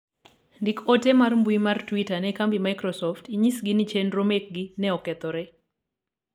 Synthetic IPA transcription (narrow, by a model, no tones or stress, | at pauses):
ndikɔtɛmarmbuimartwitanɛkambimajkɾɔsɔftiɲisɡinit͡ʃɛnɾomek̚ɡinɛɔkɛt̪ɔɾɛ